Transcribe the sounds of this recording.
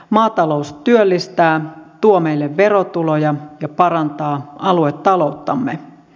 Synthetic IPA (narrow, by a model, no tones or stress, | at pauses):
mɑːt̪ɑloust̪yølːist̪æːt̪uomejlːeʋʋe̞ɾot̪ulojɑjɑpɑɾɑnt̪ɑːɑluet̪ːɑlout̪ːɑmːe